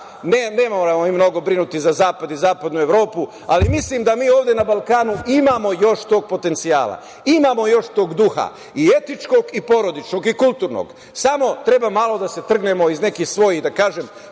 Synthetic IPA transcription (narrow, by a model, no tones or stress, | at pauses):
neneːmoɾamomimno̞ɡo̞bɾinut̪izazaːpad̪izaːpad̪nue̞ʋɾo̞ːpu | alimislimd̪amiːo̞ːʋd̪jenabalˠkaːnuimaːmo̞jo̞ʃt̪o̞ːɡ̚po̞t̪e̞nt̪sija̰ːla̰ | imaːmo̞jo̞ʃt̪o̞ːɡd̪uxa̰ | ie̞t̪it͡ʃko̞ɡipo̞ɾo̞d̪it͡ʃno̞ɡikulˠt̪uɾno̰ɡ | samo̞t̪ɾe̞bamalo̞d̪ase̞t̪r̩ɡne̞mo̞izne̞kixsʋo̞jid̪akaːʒe̞m